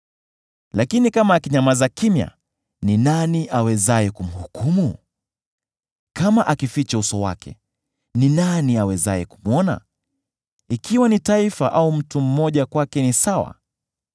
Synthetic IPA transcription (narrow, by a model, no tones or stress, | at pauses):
lakinikamaːkiɲamazakimja̰ | ninaniʔawɛzaɛkum̩hukumu | kamaʔakifit͡ʃausɔwa̰kɛ̰ | ninaniawɛzaɛku̥muɔna̰ | ikiwanitaifaʔaum̩tum̩mɔʄakwakɛnisawa̰